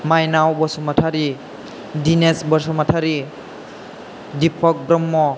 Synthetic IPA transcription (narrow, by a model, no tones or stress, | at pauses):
majnawbɔsɔmatʰaɾi | dinesbɔɾsɔmatʰaɾi | dipʰɔk̚bɾɔmːɔ